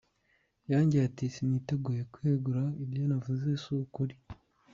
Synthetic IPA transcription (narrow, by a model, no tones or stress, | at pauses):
jaːɲɟeatisinite̞ɡuje̞kweɡuɾaibjonavuze̞sukuɾi